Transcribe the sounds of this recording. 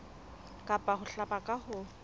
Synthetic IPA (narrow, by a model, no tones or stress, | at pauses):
kʼapʼahʊɬapakʼahʊ